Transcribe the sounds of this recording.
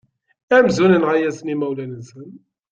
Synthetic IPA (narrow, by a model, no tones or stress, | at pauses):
æmzunənʁajæsmimæwlænəsən